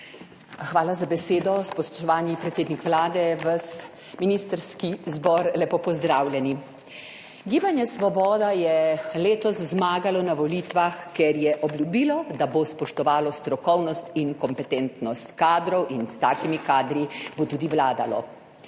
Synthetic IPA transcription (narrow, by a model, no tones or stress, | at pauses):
xʋaːlazabɛseːd̪ɔspɔst̪ɔʋaːnipɾɛt̪seːd̪nikʋlaːd̪ɛʋəs | minist̪əɾskizbɔɾlɛpoːpɔzd̪ɾawlʲjɛni | ɡiːbanjɛsʋɔbɔːd̪ajɛleːt̪ɔszmaːɡalɔnaʋɔliːt̪ʋaxkɛɾjɛʔɔbljubiːlɔd̪abospɔʃt̪ɔʋaːlɔst̪ɾɔkɔwnɔst̪inkɔmpɛt̪ɛnt̪nɔst̪kaːd̪ɾɔwʔinst̪aːkimikaːd̪ɾibot̪uːd̪iʋlaːd̪alɔ̰